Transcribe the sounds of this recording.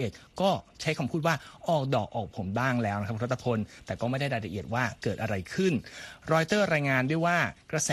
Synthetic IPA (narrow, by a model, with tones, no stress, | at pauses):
ʔe˨˩t̪̚kɔː˥˩t͡ɕʰa˦˥jkʰa˧mpʰuː˥˩t̪̚waː˥˩ʔɔː˨˩k̚dɔː˨˩k̚ʔɔː˨˩k̚pʰo˩˦mbaː˥˩ŋlɛː˦˥wna˥kʰa˥pkʰɾt̪ʰːa˧pʰo˧nt̪ɛː˨˩kɔː˥˩ma˥˩jda˥˩jɾaː˧jɾa˧ʔi˨˩ət̪̚waː˥˩kɤː˨˩t̪̚ʔa˧ɾa˧jkʰɯ˥˩nɾɔː˧jt̪ɤː˥˩ɾaː˧jŋaː˧ndu˥˩˨jwaː˥˩kɾa˧sɛː˨